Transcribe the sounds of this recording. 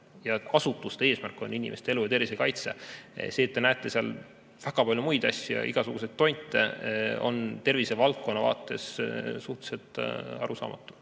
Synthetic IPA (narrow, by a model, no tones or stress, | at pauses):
jɑɑsut̪ːˑust̪eeːsmærkːˑo̞̰nːinʲḭmʔest̪eelujɑt̪e̞rvise̞kɑjt̪se̞se̞ːt̪ːenæet̪ːˑe̞seɑ̰l | v̥æɡ̥ɑpɑlʲjumujd̪ɑsʲjjɑ̰ʔḭɡ̥ɑsuɡ̥use̞d̪̚ːo̞jnt̪ːˑḛo̞̰nt̪e̞rvisevɑlt̪̚konːɑvɑ̰ːt̪ːˑe̞ssuht̪e̥se̞t̪ˑːɑɾusɑ̰ːmɑt̪ːˑu̥